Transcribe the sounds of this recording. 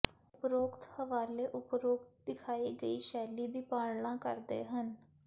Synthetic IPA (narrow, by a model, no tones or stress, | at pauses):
ʊpɾoːɡt̪həʋaːleːʔʊpɾoːɡt̪̚d̪ɪkʰaːiːɡəiːʃɛːliːd̪iːpaːɽɳãːkə̰ɾd̪ḛːɦən